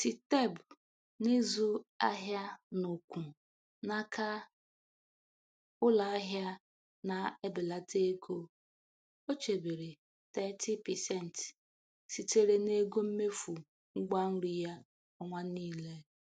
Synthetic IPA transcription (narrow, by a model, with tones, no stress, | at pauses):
ti˨te˦˨b | ne˦zu˦a˦ɦja˦nʊ˨kʷu˨ | na˦kʰa˦ | ʊ˦la˨˦ɦja˦ | na˨e˦bɪ˨la˨tʰe˦ɡo˦ | o˦t͡ʃe˨be˨ɾe˨ | t̪ɛ˦tʰi˦pɛ˨sɛ˦˨n̩˨t | si˨te˦ɾe˦ne˦ɡo˦m̩˦me˦fu˨ | ŋ̩˦ɡʷa˦ŋ̩˦ɾi˦ja˦ | ɔ˦ŋʷa˦niː˦le˦